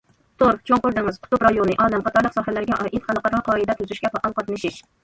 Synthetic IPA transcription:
t̪ʰoɾk̚t͡ʃʰoŋqʊɾd̪ɪŋɨz̥qʰʊ̥t̪upɾɑjonɨʔɑːnɛmχɑt̪ʰɑɾlˠəqsɑhælæɾɡʲɛʔɑʔit̪χɑnˠəqɑɾɑqʰɑːid̪ɛt̪ʰʊzyʃʲkʲɛpʰɑʔɑlqɑt̪nɨʃiʃ

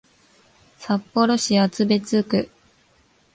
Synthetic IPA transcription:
sapːo̞ɾo̞ɕiat͡sɨbe̞t͡sɨkɯ̟

